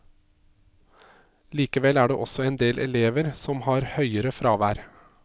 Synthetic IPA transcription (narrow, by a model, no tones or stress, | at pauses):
liːkəʋɛlæːɖḛːʔɔsɔeːnd̪eːlʔɛleːʋəɾsɔmhɑːɾhœʏəɾəfɾɑːʋæːɾ